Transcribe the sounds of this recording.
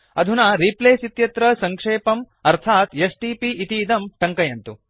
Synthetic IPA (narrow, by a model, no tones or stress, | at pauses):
ɐd̪ʱunaɾiːpleːsit̪jɐt̪ɾɐsɐŋkʂeːpɐm | ɐɾt̪ʰaːt̪jɐsʈiːpiʔit̪iːd̪ɐmʈɐŋkɐjɐnt̪u